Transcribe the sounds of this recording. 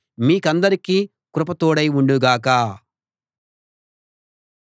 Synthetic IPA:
miːkɐnd̪ɐɾikiː | kɾupɐt̪oːɽɐjuɳɖuɡaːkaː

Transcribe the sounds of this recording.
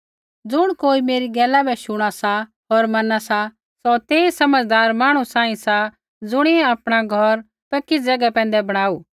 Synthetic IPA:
d͡zʊɽ̃koːimeːɾiɡɛːlabɛʃʊɽ̃asa | ɦoːɾmɐnasa | sɔt̪eːisɐməd͡zd̪aːɾmãːɽ̃usãːĩsa | d͡zʊɽ̃iɛ̃apɽ̃aɡʱɔɾ | pɐkːid͡zɛɡapɛ̃ːn̆d̪ɛbɐɽ̃aːuː

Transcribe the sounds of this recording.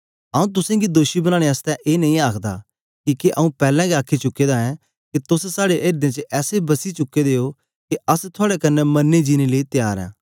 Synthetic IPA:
ɐũt̪̬ʊsẽɡid̪oːʃibɐnaːɽ̃eaːst̪ɛ̃ʔeːnɐĩaːkʰd̪a̰ | kiːkeʔɐũpɛːlɛ̃ɡeaːkʰːit͡ʃʊkːed̪aɛ̃ | kit̪ʊssaːɽeʔeːɾd̪ẽt͡ʃəʔɛːsebɐsit͡ʃʊkːed̪eːo | keɐst̪ʰʊaːɽekɐnɛmɐnːed͡ʒiːneleit̪ɪjaːɾɛ̰̃ː

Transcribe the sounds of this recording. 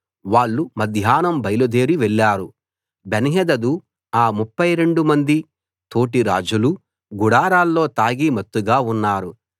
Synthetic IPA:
ʋaːɭːumɐd̪ʱjaːnɐmbɐjlud̪eːɾiʋɛɭːaːɾu | beniɦɛd̪ɐd̪u | aːmupːɐjɾe̞ɳɖumɐnd̪i | t̪o̞ːʈiɾa̰ːd͡ʒulu | ɡuɽaːɾaːlːo̞ːt̪aːɡimɐt̪ːuɡaːunːaːɾu

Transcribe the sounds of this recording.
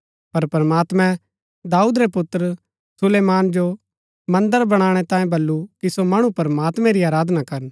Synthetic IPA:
pɐɾpɾəmaːt̪mɛ̃ | d̪aːuːd̪ɾepʊt̪ːɾə | sʊleːmaːnd͡ʒo | mɐ̃nd̪əɾbɐɽ̃aːɽ̃ɛt̪ãːẽbɐlːukisomɐɽ̃upɐɾəmaːt̪mɛ̃ɾiaːɾaːd̪nakɐɾən

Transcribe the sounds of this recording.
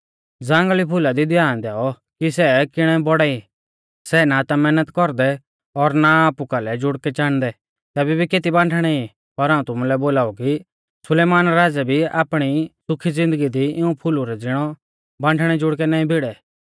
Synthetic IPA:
d͡zãːŋɡlipʰʊlad̪id̪jaːnd̪ɛːɔ | kisɛkɪɽ̃ɛbɔɽɛi | sɛːnat̪amɛːnət̪kɔɾd̪ɛ | ɔɾnaaːpukalɛd͡ʒʊɽkɛt͡ʃaːɽ̃d̪ɛ | t̪ɛːbibʱikeːt̪̬ibãːɳʈʰɽ̃ɛi | pɐɾãːũt̪ʊmulɛboːlaːuki | sʊleːmaːnɾaːd͡zɛbʱia̰ːpɽ̃isʊkʰid͡zɪ̃nd̪əɡid̪iɪũpʰʊluɾɛd͡zɪɽ̃ɔ | bãːɳʈʰɽ̃ɛd͡ʒʊɽk̬ɛnaːĩbʱɪɽɛ

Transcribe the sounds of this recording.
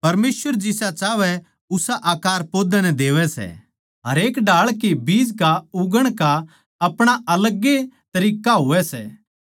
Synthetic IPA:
pɐɾmeːsʋəɾd͡ʒɪsat͡ʃaːʋɛ | ʊsaʔaːkaːɾpoːd̪anɛ̃d̪eːʋɛsɛ̰ | ɦɐɾeːkɖaːɭkebiːd͡ʒkaʊɡəɽ̃ka | ɐpɽ̃aʔɐləɡːet̪ɐɾiːkaɦʊʋɛsɛ̰ː

